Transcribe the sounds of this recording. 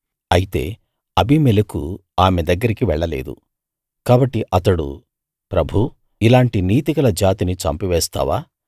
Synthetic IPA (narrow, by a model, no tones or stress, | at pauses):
ɐjit̪e̞̰ː | ɐbʱimɛlɐkuaːmed̪ɐɡːɐɾikiʋɛɭːɐlḛːd̪ṵ | kaːbɐʈːiʔɐt̪ɐɽṵ | pɾɐbʱu | ilaːɳʈiniːt̪ikɐlɐd͡ʒaːt̪init͡ʃɐ̰mpiʋɛːst̪a̰ːʋaː